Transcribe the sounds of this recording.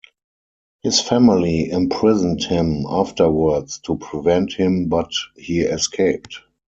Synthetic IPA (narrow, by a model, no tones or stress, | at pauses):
hɪsfæmɪliɪ̃mpʰɹɪzə̃n̩thɪ̃maftə˞wə˞dstʰupʰɹivɛ̃nthɪ̃mbathiːɛskʰeɪp̚t